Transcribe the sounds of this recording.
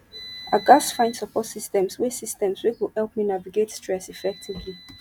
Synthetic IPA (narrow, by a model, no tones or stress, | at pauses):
aɡasfãɪ̃ndsəpʰɔtsistɛ̃mswesistɛ̃mswikwihɛlˠpminaviɡetstɹɛsifɛk̚tʰivli